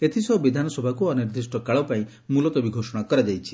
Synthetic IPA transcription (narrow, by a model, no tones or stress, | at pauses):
et̪ʰisɔbid̪ʱanɔsɔbʱakuɔniɾd̪ɾisʈɔkaɭɔpaĩ | mulɔt̪ɔbiɡʱosɔɽ̃akɔɾad͡ʒajt͡ʃʰi̥